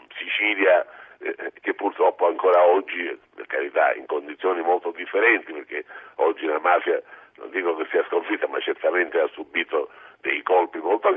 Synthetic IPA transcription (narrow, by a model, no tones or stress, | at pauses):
sit͡ʃiːlja | k̟epːurt̪ɾɔpːoaŋkoːɾaɔd͡ʒːipḛrkaɾit̪a̰ḭŋkond̪it̪sːjɔːnimolt̪od̪ifːeɾɛnt̪iperk̟eɔd͡ʒːinamaːfjano̰nd̪iːkok̟esːiːaskoɱfit̪ːama̰t͡ʃːert̪ament̪easːubiːt̪od̪ejkɔlpimɔlt̪o